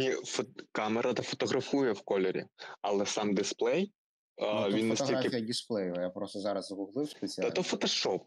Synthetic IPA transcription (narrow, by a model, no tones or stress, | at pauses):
nʲifɔkɑmeɾʔɐt̪ɐfɔ̥t̪ɔɣɾɐfujɛwkɔlʲeɾʲḭɐlˠɛsɑmd̪ɪsplˠɛj | ʋinnːɐsʲtilakɪfijɐdʲisplˠɛjʊɐjapɾɔst̪ɔzɑɾɐzzɣʊlˠɪwspesʲiaɐt̪ɔfɔt̪ɔʃɔp